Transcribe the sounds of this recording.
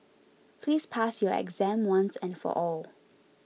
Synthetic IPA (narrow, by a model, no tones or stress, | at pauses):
pʰliːspʰasjɔɛ̰ɡzæ̃mwãnsɛ̃nfɔ̰ʔɔl